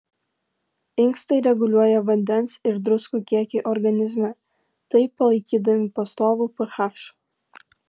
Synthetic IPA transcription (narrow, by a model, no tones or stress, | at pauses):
ɪŋkst̪ɐɪɾʲɛɡʊlʲuɔjɛʋɐnʲd̪ʲɛnsɪɾd̪ɾʊskuːkʲiɛkʲeːʔɔɾɡɐnʲɪzʲmʲɛ | t̪ɐɪpɐlˠɐɪkʲiːd̪ɐʋʲɪpɐst̪oːʋuːˑpɨxɑʃ